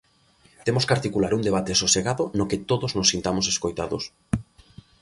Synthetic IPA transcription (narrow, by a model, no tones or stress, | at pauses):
t̪emoskaɾt̪ikulaɾund̪eβat̪esoseɣaðonoket̪oðoznosːint̪amoseskojt̪aðo̰s